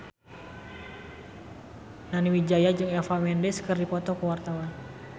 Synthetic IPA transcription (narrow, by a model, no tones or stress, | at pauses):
naniwid͡ʒajad͡ʒɨŋɛfamɛndɛskərdipɔt̪ɔkəwart̪awan